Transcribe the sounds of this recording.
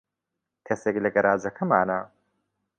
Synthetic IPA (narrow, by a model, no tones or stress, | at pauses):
kʰɐseːklɐɡɐɾʔaːzɐkʰɐmaːnɐ